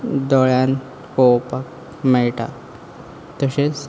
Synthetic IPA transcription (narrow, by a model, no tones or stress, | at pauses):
d̪ɔɭjãn | kowpak | mɛɭʈa̰ | t̪əɕet͡s